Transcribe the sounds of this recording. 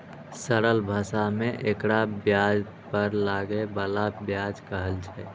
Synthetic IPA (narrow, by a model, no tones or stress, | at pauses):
səɾəlbʱəsameʔekɾabjad͡ʒ | pəɾlaɡebəlabjad͡ʒkəɦəlt͡ʃʰɛ